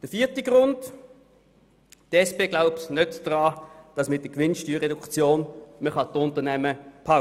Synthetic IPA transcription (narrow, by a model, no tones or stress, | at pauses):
d̥əfiːtiɡ̥ʁʊnd | tɛspeːɡlaʊpsnøtd̥ʁɑːd̥ɑsmɪt̚d̥əkʋɪnʃtyːʁɛdukt͡sjoːnməχɑtʊntənɛməpʰa